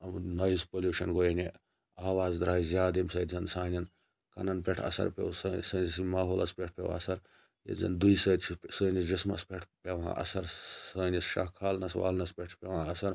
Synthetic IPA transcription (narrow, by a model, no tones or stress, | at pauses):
ɐmnɐjspoljuːʃɐnɡojne | aːʋaːzd̪ɾaːjzʲjaːd̪imsɐjt̪zɐnsaːnʲɐn | kɐ̰nɐnpʲeʈʰɐ̰sɐ̰ɾpʲḛwsɐsɐːnisimaːɦoːlɐspʲeʈʰpʲeʋ̰ɐsɐɾ | jḛzɐ̰nd̪uisɐːt̪ʰsəːnid͡ʒismɐ̰spʲeʈʰpʲeʋã̰ːʔɐ̰sɐɾsɐːnisʃɐ̰kʰaːlnɐsʋa̰ːlnɐspʲeʈʰpʲeʋãːɐsɐɾ